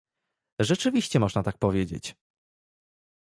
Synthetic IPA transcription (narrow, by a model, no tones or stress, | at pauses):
ʐɛt͡ʂɘvʲiɕt͡ɕɛmɔʐnat̪ak̚pɔvʲjed͡ʑḛt͡ɕ